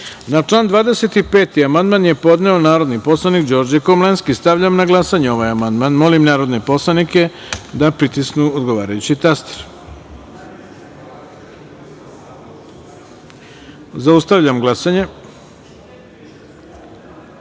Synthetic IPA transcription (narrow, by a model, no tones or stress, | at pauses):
nat͡ʂlˠaːnd̪ʋaːd̪ese̞t̪ipe̞ːt̪iamand̪manje̞po̞d̪ne̞o̞naːɾo̞d̪nipo̞slˠanikd͡ʑo̞ɾd͡ʑekomlenskist̪aʋʎamnaɡlˠasaɲeo̞ʋajamand̪manmo̞limnaːɾo̞d̪ne̞po̞slˠanike̞d̪apɾit̪isknuod̪ɡo̞ʋaːɾajut͡ɕit̪ast̪e̥ɾ | zaust̪aʋʎamɡlˠasaɲe̞